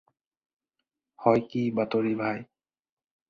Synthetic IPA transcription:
hɔjkibat̪oɹibʱaj

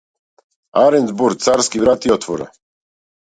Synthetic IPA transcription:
aɾɛnzbuɾsaɾskʲivɾat̪iɔt̪ʰfɔɾa̰

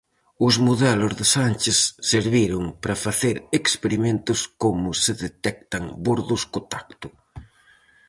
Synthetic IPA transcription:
ʊzmuðɛlʊzðɪsant͡ʃɪsːeɾβiɾʊŋpɾɐfaθeɾekspeɾiment̪ʊskomʊsɪðet̪ɛk̚t̪aŋboɾðʊskʊt̪ak̚t̪ʊ

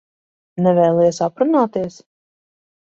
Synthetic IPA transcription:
nɛvɛːlˠisapɾunaːt̪iɛs

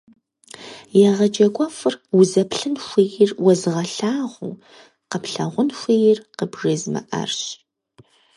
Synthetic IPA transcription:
jɛʁɐd͡ʒɐɡʷʼɔfɨrwʊzɐpɬɨnxʷijɪrwɔzɨʁɐɬaːʁʷṵ | qəpɬɐʁʷʊnxʷijɪrqəbʐɐzmɐ̰ʔɐ̰rɕ

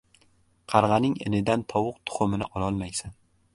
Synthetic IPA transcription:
qʰɑɾʁɑnɪŋḛnɪd̪ant̪ʰɒwʊq̚t̪ʰʊ̥χʊmɪnɪʔɒlˠɒlˠmajsan

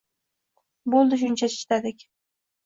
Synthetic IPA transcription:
bolˠd̪ɪʃ̬ʊnt͡ʃʰat͡ʃʰɪ̥ʃt̪ad̪ɪkʲ

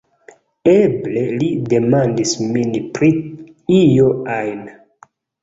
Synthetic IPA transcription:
eble̞lide̞mandisminpɾi | ijoajn

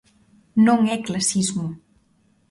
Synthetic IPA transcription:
noŋɛklasizmu

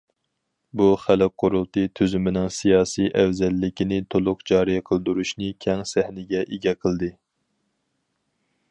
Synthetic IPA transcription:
buχælɨq̚qʰːʊɾulˠt̪ɨt̪ʰyzymɪnɪŋsijɑːsijʔɛwzɛlːɪkʲinɪt̪ʰolˠʊqd͡ʒɑːɾijɛqʰəlˠd̪uɾuʃnɨkʲʰɛŋsæhnɪɡʲɛʔeɡʲɛqʰəlˠɨd̪ɨ

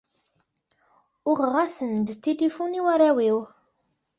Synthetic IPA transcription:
ʊʁʁasənd̪t̪ːilifuniwaɾæwiw

